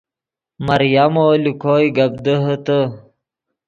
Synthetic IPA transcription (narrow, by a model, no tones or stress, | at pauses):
mɐɾjamoːlikʰoːjɡɐb̚d̪əɦət̪ə